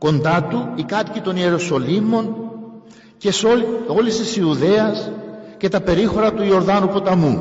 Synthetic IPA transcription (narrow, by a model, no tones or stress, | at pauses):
ko̞nd̪ɐt̪uikɐt̪cit̪o̞nie̞ɾoso̞limo̞n | ce̞soo̞list̪isiuðe̞ɐsce̞t̪ɐpe̞ɾixo̞ɾɐt̪uio̞ɾðɐnupo̞t̪ɐmu